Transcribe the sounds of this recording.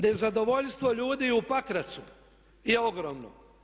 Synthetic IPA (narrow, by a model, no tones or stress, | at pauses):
d̪ajezad̪o̞ʋoʎst̪ʋo̞ʎuːd̪iupakɾat̪su | jeoɡɾomno̰